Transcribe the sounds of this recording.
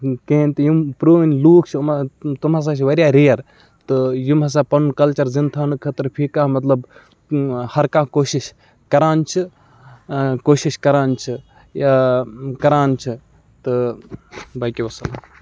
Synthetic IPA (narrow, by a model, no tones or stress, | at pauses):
keːnʲt̪ɨjumpɾoːnʲluːkʰt͡ʃʰmt̪umɐs̬aːt͡ʃʰiʋɐɾjaːɾeːɐɾ | t̪ɨjumɦɐs̬apɐnkɐlt͡ʃɐɾzint̪ʰaːnɨkʰɐt̪ɾpʰikaːmɐt̪lɐb | hɐɾkaːkoːʃiʃ | kɐɾaːnt͡ʃʰi | koːʃiʃkɐɾaːnt͡ʃʰi | jakɐɾaːnt͡ʃʰi | t̪ɨ | bɐkiʋɐsɐla